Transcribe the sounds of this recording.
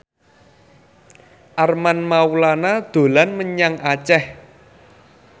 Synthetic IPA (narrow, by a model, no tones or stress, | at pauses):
ʔarmanmawulanad̪̥o̤lanməɲaŋat͡ʃɛh